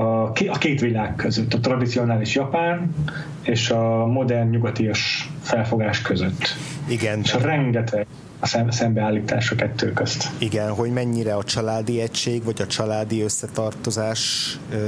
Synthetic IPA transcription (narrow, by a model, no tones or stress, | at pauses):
ɒkeɒkeːt̪ʋilaːɡkøzøt̪ːɒt̪rɒd̪it̪sio̞naːliʃjɒpaːn | eːʃɒmo̞d̪ɛrnɲuɡɒt̪ijoʃfɛlfo̞ɡaːʃkøzøt̪ːiɡɛneʃɒrɛŋɡ̪ɛt̪ɛ | ɒsɛsɛmbɛaːlːiːt̪aːʃɒkɛt̪ːøːkøst̪iɡɛnɦo̞ɟmɛɲːiɾɛɒt͡ʃɒlaːd̪iɛcʃeːɡʋɒɟɒt͡ʃɒlaːd̪iøsːɛt̪ɒrt̪o̞zaːʃ